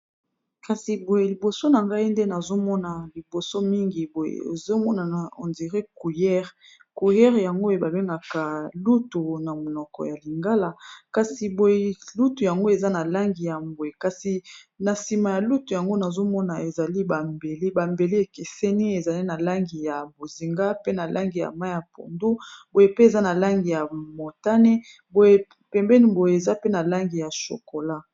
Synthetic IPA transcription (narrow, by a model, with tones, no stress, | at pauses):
ka˨si˨bo˨je˨li˨bo˨so˦na˨ŋɡa˦i˦nde˦na˨zo˦mɔ˦na˨li˨bo˨so˦mi˦ŋɡi˨bo˨jḛ˨ḛ˨zo˦mɔ˦na˨n˨o̰˨ndi˨ʁe˦ku˨jɛ˦ʁ | ku˨jɛ˦ʁja˨ŋɡo˦e˨ba˨be˦ŋɡa˨ka˨lu˦tu˨na˨mo˨nɔ˨kɔ̰˨ja˨li˨ŋɡa˦la˨ka˨si˨bo˨je˨lu˦tu˨ja˨ŋɡo˦e˨za˦na˨la˦ŋɡi˨ja˨mbo˨je˨ka˨si˨ | na˨si˨ma˨ja˨lu˦tu˨ja˨ŋɡo˦na˨zo˦mɔ˦na˨e˨za˨li˦ba˨mbe˨li˦ba˨mbe˨li˦e˨ke˨sɛ˦ni˦e˨za˨li˦na˨la˦ŋɡi˨ja˨bo˨zi˨ŋɡa˦pe˦na˨lʔa˦ŋɡi˨ja̰˨ma˦ja˨po̰˨ndu˦bo˨je˦pe˦e˨za˦na˨la˦ŋɡi˨ja˨mo˨ta˦ne˦ | bo˨je˦ | pɛ˨mbɛ˦ni˦bo˨je˨e˨za˦pe˦na˨la˦ŋɡi˨ja˨ʃo̰˨ko˨la˦